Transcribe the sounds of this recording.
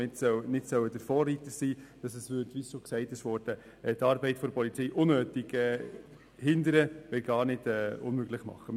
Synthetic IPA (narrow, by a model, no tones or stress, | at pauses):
ɪtsœnɪtsœwəd̥əɾfɔːrːitəsiːd̥ɑsɛsvʏɾtʋisoːksɛɪtɪʃʋɔːɾd̥ə | t̪ɑːɾbɛɪtfoɾpʰɔlit͡siːʔʊnːøːtɪɡ̥ɛː | hɪndəɾəʋɛlɡ̥ɑːɾnɪd̥ɛːʊnmøɡlɪχmɑ̰χə